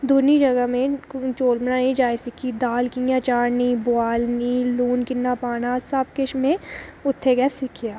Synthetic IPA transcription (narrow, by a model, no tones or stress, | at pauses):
d̪unid͡ʒɐɡəɦmẽt͡ʃoːlmɐnanĩd͡ʒaːjsɪkʰid̪aːlkɪ̃ŋɡjãt͡ʃaːɽnibʊaːlniluːnkɪnːapaːnasap̚keʃmẽʊt̪ʰːeɡɛsɪkʰijaː